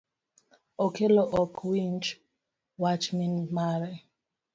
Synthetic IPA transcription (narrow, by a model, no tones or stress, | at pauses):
ɔkʰɛlɔʔɔkʰwint͡ʃ | wat͡ʃminmaɾɛ